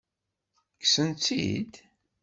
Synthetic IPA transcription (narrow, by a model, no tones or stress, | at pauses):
ksənt͡s̪ḭd̪